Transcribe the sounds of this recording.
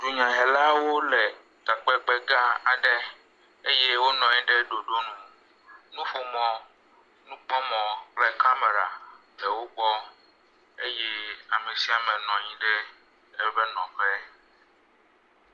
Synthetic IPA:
d͡ʒu˨ɲã˨ɦɛ˨la˦wo˦le˨ | t̪a˨k͡pɛ˦k͡pɛ˦ɡa˦a˨ɖɛ˦ | e˦jɛ˦wo˦nɔ̃˨ɲĩ˦ɖe˦ɖo˨ɖo˦nũ˦ | nũ˦fo˨mɔ̃˨ | nũ˦k͡pɔ˦mɔ̃˨k͡plɛ˦ka˦me˨ɾa̰˨ | ɖɛ˨wo˦ɡ͡bɔ˦ | e˦jɛ˦a˨mẽ˨si˦a˨mɛ̃˨nɔ̃˨ɲĩ˦ɖɛ˦ | ɛ˦bɛ˦nɔ̃˨ɸɛ˦

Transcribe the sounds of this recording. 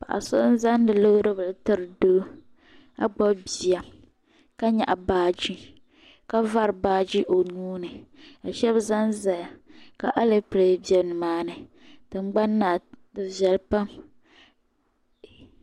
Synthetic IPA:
pa̰˨ʔa̰˨so̰˦ʔn̩˦za˦n˦dɨ˨lo˦ɾɨ˦bɨ˨ltɨ˦ɾɨ˨do˦ | a̰˨ɡ͡bɔ˦bbi˨a˨ | ka˦ɲa̰˨ʔa˨baː˦d͡ʒi˦ | ka˦va˦ɾɨ˨baː˦d͡ʒi˦ʔo˨nuː˦nɨ˨a˨ʃɛ˦bza˦nza˨ja˨ka˨ʔa˦le˦pɾe˨bi˨˦ɛ˨bnɨ˨maː˦nɨ˨ | d̥ɨ˨ŋ͡mɡ͡ba˦nːaː˨dɨ˨vɛ˨lpa˦m

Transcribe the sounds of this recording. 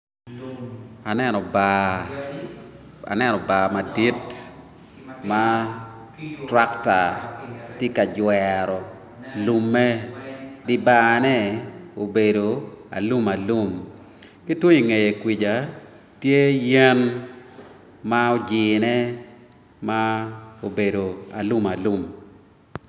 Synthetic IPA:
a˨nɛ˦nɔ˨ba | a̰˨nɛ˦nɔ˨ba˨ma˨di˦t | ma˦ | tɾa˦kta˨tje˦ka˨d͡ʒwɛɾɔ˨ | lu˨mːɛ˦dɪ˦ba˦nɛ˦o˨be˨do˨a̰˨lu˦ma˨lu˦m | kɪ˦two˦i˨ŋe˨je˨kwi˨d͡ʒa˨ | tje˦jɛ˦n | ma˦o˦d͡ʒɪː˨nɛ˦ | mao˨be˨do˨a̰˨lu˦ma˨lu˦m

